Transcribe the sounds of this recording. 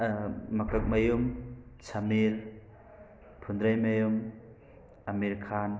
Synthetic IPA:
mɐkɐk̚mɐjumsʰɐmiɾ | pʰund̪ɾajmɐjum | ɐmiɾkʰan

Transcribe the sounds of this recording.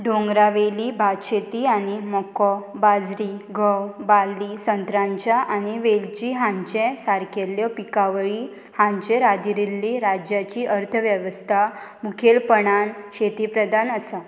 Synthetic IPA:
ɖʱõŋɡɾaʋeliːbʱaɕet̪ianimɔkɔbad͡zɾiɡʱɔwbalːisənt̪ɾãɲt͡ɕaʔaniʋeld͡ʑiɦãɲt͡ɕẽsaɾkeljɔpikaʋɭi | hãɲt͡ɕẽɾad̪iɾilːiɾad͡ʑjat͡ɕiːʔəɾt̪ʰəʋjəʋəst̪ʰa | mukʰelpəɳanɕet̪ipɾəd̪ʱanəsa

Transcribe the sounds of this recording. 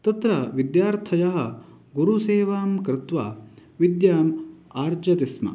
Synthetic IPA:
t̪ɐt̪ɾɐʋid̪jaːɾt̪ʰɐjɐɦɐ̆ | ɡuɾuseːʋaːmkɾɪt̪ʋaːʋid̪jaːmaːɾd͡ʒɐt̪ismɐ̰

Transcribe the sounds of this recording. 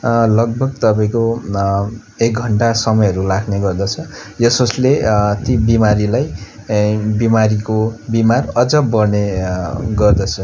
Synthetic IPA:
lʌɡ̚bʱʌɡ̚t̪ʌpaĩko | ek̚ɡʱʌɳʈasʌmʌjʌɾulakʰneɡʌrd̪ʌt͡sʰʌjʌsoslet̪ibimaɾilaj | bimaɾikobimarʌd͡zʌbʌrne | ɡʌrd̪ʌt͡sʰʌ

